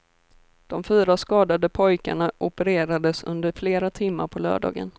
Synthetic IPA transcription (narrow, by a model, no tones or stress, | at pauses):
d̪̥ɔmfyːɾaskɑːd̪ad̪əpʰɔjka̰ɳaʔʊpəɾeːɾad̪əsɵ̰nd̪əɾfleːɾat̪ʰɪmːa̰ɾpʰɔlœ̰ːɖɑ̰ːɡə̰n